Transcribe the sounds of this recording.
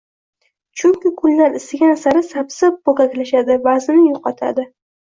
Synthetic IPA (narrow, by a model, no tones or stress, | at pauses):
t͡ʃʰʊŋkʲɪkʰʊld̪anɪst̪ɪɡʲanasaɾɪsapsɪp̚boɡakʲlaʃad̪ɪbazɪnɪjoqɑt̪ʰa̰d̪ɪ